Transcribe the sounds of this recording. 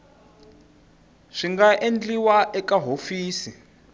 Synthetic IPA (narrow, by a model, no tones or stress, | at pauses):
ʂiŋɡaʔend͡ɮiwaʔɛkaɦofiːsi